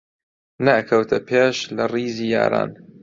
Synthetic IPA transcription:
nɐːkʰɐwt̪ʰɐpʰeːʃlɐriːziːja̰ːɾa̰ːn

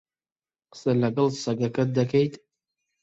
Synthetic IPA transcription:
qə̥sɐlɐɡɐlˠsɐɡɐkɐd̪ɐkʰejt̪

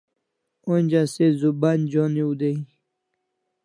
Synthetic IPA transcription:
onʲd͡ʑasezuband͡ʑoniud̪ej

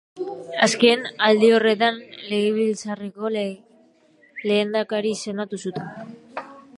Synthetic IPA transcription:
aske̞nald̪io̞re̞t̪anle̞ɣeβilt͡sareko̞ | le̞ːnd̪akaɾise̞nat̪usut̪en

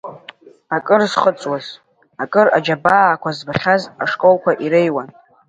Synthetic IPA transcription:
akʼɨrzχət͡sʼwaz | akʼɨrad͡ʒabaːkʷʰazbaχʲazaʂkʼolkʷaʔiɾejwan

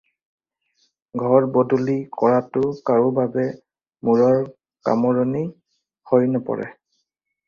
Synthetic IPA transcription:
ɡʱɔɹbɔdulikɔɹatʊkaɹubabɛ | muɹɔɹ | ka̰mɔɹɔni | hojnɔpɔ̰ɹɛ̰

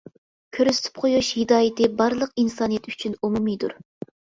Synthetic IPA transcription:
kʲʰøɾyst̪ʰɪ̥p̚qʰojuʃhɪd̪ɑːjɪt̪ʰɪbɑɾlˠəqinsɑnijɛt̪y̥t͡ʃʰynumumid̪uɾ

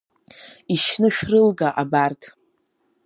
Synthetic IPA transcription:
iʃnɨʃᶣrɨlɡaʔabartʰʼ

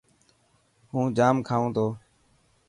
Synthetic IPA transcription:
hũːd͡ʒaːmkʰaːõːt̪ʰoː

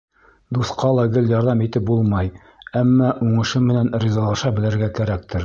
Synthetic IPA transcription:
d̪uθqɑlˠɑɡɘljɑɾðɑmit̪ɘp̚bulˠmɑj | æmːɑʔuɴɤ̆ʃɤmɘ̆nænɾʲizɑlˠɑʃɑbɘ̆lɘ̆ɾɡækæɾæk̚t̪ɘɾ

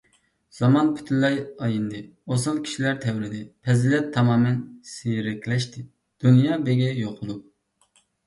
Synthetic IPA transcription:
z̥ɑmɑnpʰy̥t̪ʰynlɛjɑjind̪ɨ | osɑlˠkʲʰi̥ʃilæɾt̪ʰɛwɾɪd̪ɪpʰɛzɪlɛt̪ʰːɑmɑːmɛnsijɾɪkʲʰlɛʃt̪ʰɪ | d̪̥unjɑːbeɡʲɛjoqʰʊlˠu

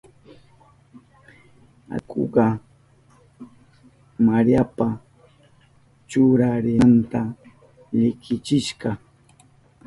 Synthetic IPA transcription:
a̰kʰo̰ɢɑ | maɾjapa | t͡ʃʊɾaɾɪnt̪a | ʎɪkɪt͡ʃɪʃɢɑ

